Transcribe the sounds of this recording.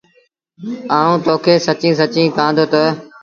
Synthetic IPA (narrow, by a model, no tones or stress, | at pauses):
aːũːt̪oːkʰeːsət͡ʃĩːs̬ət͡ʃĩːkãːnd̪oːt̪ə